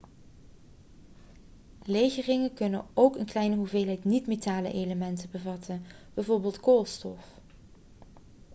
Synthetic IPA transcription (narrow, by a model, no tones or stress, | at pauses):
lejɣərɪŋəkɵnə̰owkənklɛjnəɦuveːlˠɦɛjtnitmetaːlə̰ʔejləmɛntəbəvɑtʰənb̥ɛjvoːɹbeːlˠtkoːlˠstɔf